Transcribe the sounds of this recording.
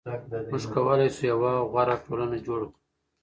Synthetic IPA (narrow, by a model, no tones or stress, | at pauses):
mʊʒkawəlajsujawaɣaɾaʈolanad͡ʒoɽaku